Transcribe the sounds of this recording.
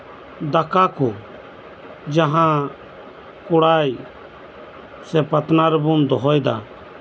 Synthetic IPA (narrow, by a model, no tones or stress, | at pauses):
d̪ɐkaku | d͡ʒɐɦã | kʊɽaːi | sɛpɐt̪naɾɛbʊnd̪ɔɦɔːid̪a